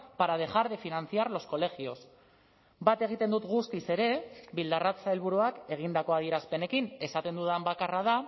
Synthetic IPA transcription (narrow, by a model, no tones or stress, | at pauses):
paɾað̞e̞ʝaɾðe̞finant͡siaɾlo̞sko̞le̞xio̞s | bat̪e̞ɣ̞it̪e̞nd̪ut̪ɣust̪ise̞ɾe̞βild̪arat̪t͡saelβuɾuake̞ɣ̞ind̪ako̞aðieɾaspe̞ne̞kine̞sat̪e̞nd̪uðambakaraða